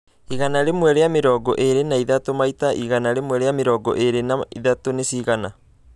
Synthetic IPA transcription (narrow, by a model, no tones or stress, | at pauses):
iɣanaɾemwɛɾejameɾɔɡɔʔeɾenaiðatomaitaʔiɣanaɾemwɛɾejameɾɔɡɔ̰ʔeɾenaiðatonesiɣana